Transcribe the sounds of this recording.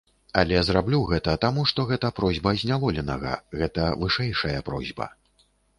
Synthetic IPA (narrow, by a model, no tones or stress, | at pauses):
ɐlʲɛzɾablʲuɣɛt̪ɐt̪amuʂt̪ɔɣɛt̪ɐpɾɔzʲbɐzʲnʲavɔlʲɛnɐɣɐ̰ɣɛt̪ɐvɨʂɛjʂɐjɐpɾɔ̰zʲbɐ̰